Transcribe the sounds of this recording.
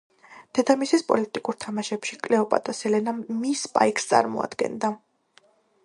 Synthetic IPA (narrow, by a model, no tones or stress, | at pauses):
d̪̥ɛd̪amisispʼɔ̰lit̪ʼikʼuɾt̪ʰamaʃɛpʃikʼlɛɔpʼa̰t̪ʼɔsɛlɛnamispʼa̰ikʰst̪sʼa̰ɾmɔ̰a̰d̪̥ɡɛ̰nd̪a